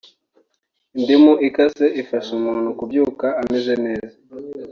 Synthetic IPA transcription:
ndimuʔikaseʔifasumunukubjukaamezenɛːza

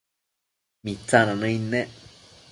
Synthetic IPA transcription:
mit͡sːananə̃inːe

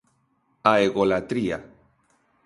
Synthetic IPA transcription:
aeɣolat̪ɾia̰

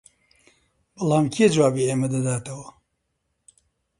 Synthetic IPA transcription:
bɨlaːmkʰied͡ʒwaːbiːeːmɐd̪ɐd̪aːt̪ʰɐwɐ

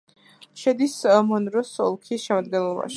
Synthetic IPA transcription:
ʃɛd̪ismɔnɾɔsɔ̰lˠkʰisʃɛmad̪̚ɡɛnlˠɔba̰ʃi̥

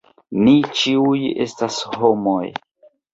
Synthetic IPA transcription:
nit͡ʃiuje̞̰stashomoj

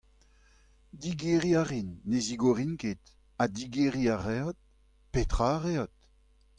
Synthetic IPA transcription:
diɡeʁiaʁinːeziɡoʁinket̪ | adiɡeʁiaʁeɔt̪̚ | petχaʁeat̪̚

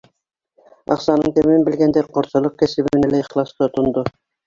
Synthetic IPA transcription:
ɑ̰qsɑnɤɴt̪æmɘnbɘ̆lɡænd̪æɾqŏɾsɤ̆lˠɤq̚kæsɘ̆βɘ̆nælæɤχlˠɑst̪ɤt̪ŏnd̪o

